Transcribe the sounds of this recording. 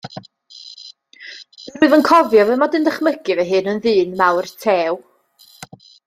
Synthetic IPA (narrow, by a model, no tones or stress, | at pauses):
rʊɨðənkʰɔvjɔvɛmadɪndəχməɡɨvɛɦɨnənðɨːnmawrtʰeːw